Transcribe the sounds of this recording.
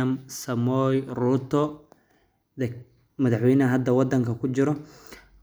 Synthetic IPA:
ɐmsɐmɔjruːt̪ʰɔ | d̪ɛ | mɐðɑħwɛjnɐɦɐd̪ːɐwɑd̪ɐŋkʰɐkʰʊt͡ʃɪɾɔ

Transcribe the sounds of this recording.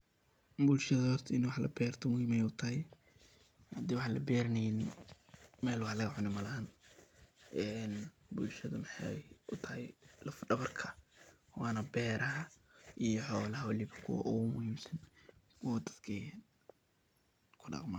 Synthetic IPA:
bʊlʃɐðɐɔt̪ʰɪnwɑħlɐ̰bɛːrt̪ʰɔmʊhiːmɛjʊt̪ʰɐhɛj | ɐd̪iwɑħɑlɐ̰bɛːɾɪnɛjnɪ | mɛːlwɑħlɐɣɐʕʊnɪmɐlɐːn | ʔɛn | bʊlʃɐðɐmɪħɑjʔʊt̪ʰɐhɛjlɐfɖɐβɐrkʰɐ̥ | wɑːnɐbɛːɾɐɦɐʔijɔħɔːlɐɦɐwɑlɪβɐ̥kʰʊwɐ̰ʔʊɣʊmʊhiːmsɐn | kʰʊwd̪ɐd̪kʰɛjɛn | kʰʊɖɑ̰qma

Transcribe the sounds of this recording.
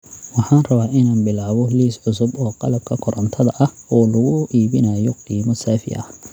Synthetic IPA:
wɑħɑːnrɐβaːʔɪnaːnbɪlaːβɔliːsʕʊsʊbɔːqɑlɐb̚kʰɐkʰɔɾʔɐnt̪ʰɐðɐʔɐhɔːlʊɣʊiːβɪnɐjɔqiːmɔsaːfɪ̰ʔɐ̰

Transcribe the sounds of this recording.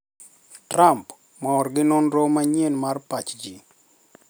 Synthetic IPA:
tɾamp | mɔɔɾɡɪnɔnɾomaɲenmarpat͡ʃd͡ʒi

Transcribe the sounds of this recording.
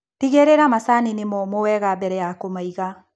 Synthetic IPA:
tiɣeɾeɾamasaninemɔmowɛɣabɛɾɛjakomaiɣa

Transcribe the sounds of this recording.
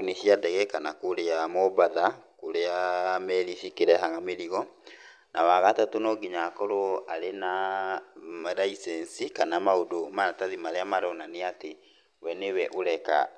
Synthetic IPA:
nesiadɛɣɛkanakoɾeamɔbaðakoɾeamɛɾiʃikeɾɛɦaɣameɾiɣɔ | nʔawaɣatatonɔɡiɲakɔɾoaɾena | maɾaisɛnsikanamaodomaataðimaɾeamaɾɔnaneate | wɛnewɛʔoɾɛka̰

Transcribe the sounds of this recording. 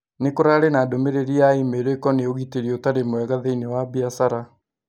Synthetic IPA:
nekoɾaɾenaːdomeɾeɾiaimeɾeikɔneoɣiteɾiotaɾemoɛɣaðeinewabiasaɾa

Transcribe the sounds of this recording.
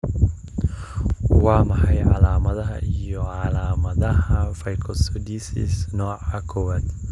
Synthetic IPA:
wɑːmɑħɑjʕɑlaːmɐðɐɦɐ̰ʔijɔʕɑlaːmɐðɐhɐfɐjkʰɔsɔd̪iːsḭsnɔːʕɑkʰɔːwaːd̪

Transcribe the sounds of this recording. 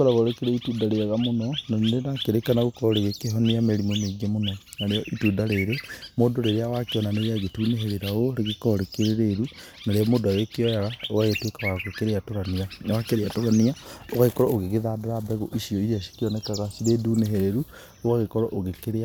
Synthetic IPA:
ɔɾaɣɔɾekeɾeitudaɾeaɣamonɔnaenakeɾekanaɣokɔɾɔɾeɣekeɦɔniameɾimomeɡiamonɔ | naɾejɔʔitudaɾeɾemodoɾeɾeawakeɔnaneaɣetuneɦeɾeɾaoɾeɣekɔɾekeɾeɾeɾu | naɾeɔmodawekeɔjaɾaowaɣetwekawakokeɾeatoɾaniaawakeɾeatoɾaniaoɣaɣekɔɾɔoɣeɣeðadeɾabɛɣoʔiʃiɔiɾiaʃi̥kiɔnɛkaɣasiɾeduːneɦeɾeɾu | oɣaɣekɔɾɔʔoɣekeɾea

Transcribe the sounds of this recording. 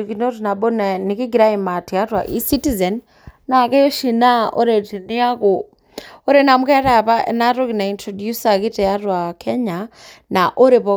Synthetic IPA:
kinoɾinaɓɔnanikiɡiɾaimatijatwaʔisitizɛn | nakɛjɔʃinaɔɾɛtiniakɔ | ɔɾɛnamukɛɾapaʔɛ̰naɾɔkinaintɾɔdjusakitɛjaɾwakʰɛɲanaʔɔɾɛpɔ

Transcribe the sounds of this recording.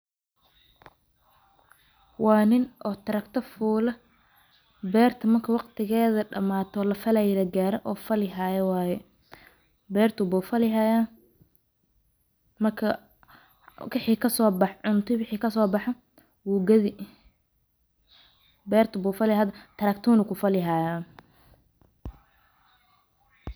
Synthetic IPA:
wɑːnɪnʔɔːt̪ʰɐɾɐkt̪ʰɐfuːlɐ | bɛːrt̪ʰɐmɐrkʰɐwɑqt̪ʰɪɣɛːðɐɖɐmaːt̪ʰɔlɐfɐlajɛlɐɡaːɾɛʔɔːfɐlɪɦajɛwɑːjɛ | bɛːrt̪ʰʊbuːfɐlɪɦaːjaːn | mɐrkʰɐ | wɪħiːkʰɐsɔːbɑħʕʊnt̪ʰʊwɪħiːkʰɐsɔːbɑħɐ | wuɡɐðɪ | bɛːrt̪ʰʊbuːfɐlɪhaðɐt̪ʰɐɾɐkt̪ʰuːnɪkʰʊfɐlɪɦaːjaːn

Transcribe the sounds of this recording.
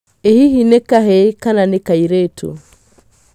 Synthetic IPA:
ehiɦinɛkaɦɛkananekaiɾetṵ

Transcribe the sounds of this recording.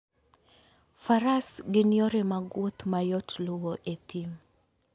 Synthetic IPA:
faɾasɡɪnjoɾemaɡwot̪majɔtlʊwɔʔet̪im

